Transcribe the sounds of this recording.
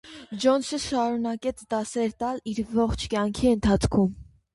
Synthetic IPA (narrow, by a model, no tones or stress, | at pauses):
d͡ʒɔnsəʃɑɾunɑkɛt͡sʰd̪ɑsɛɾt̪ɑliɾvɔχt͡ʃʰkjɑŋkʰiənt̪ʰɑt͡sʰkʰum